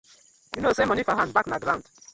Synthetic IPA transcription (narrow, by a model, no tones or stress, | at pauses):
junosẽmɔ̃nifaɦãndbaknaɡɾãnd